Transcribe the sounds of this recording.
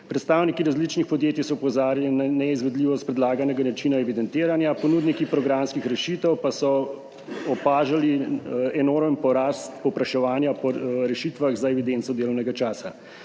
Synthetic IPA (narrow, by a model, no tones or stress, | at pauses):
pɾɛt̪st̪aːwnikiɾazlit͡ʃnixpɔd̪jeːt̪isɔupɔzaːɾalinanɛizʋɛd̪liːʋɔst̪̚pɾɛd̪laːɡanɛɡanat͡ʃinaɛʋid̪ɛnt̪eːɾanjapɔnud̪nikipɾɔɡɾamskixɾɛʃit̪ɛwpasɔ | ɔpaːʒaliɛnoɾmənpɔɾaːst̪pɔwpɾaʃɛʋaːnjapɔɾɛʃit̪ʋaɣzaɛʋid̪ent̪sɔd̪eːlɔwnɛɡat͡ʃaːsa̰